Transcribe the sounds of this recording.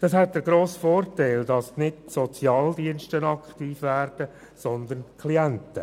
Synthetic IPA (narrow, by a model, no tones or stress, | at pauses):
d̥ɑshɛt̚d̥əɾɡɾoːsfoːrtaɪldɑsnɪdsɔt͡sjɑːldiənʃtənɑkχtiːfʋæːɾd̥ə | sɔnd̪ənkʰliæntə̰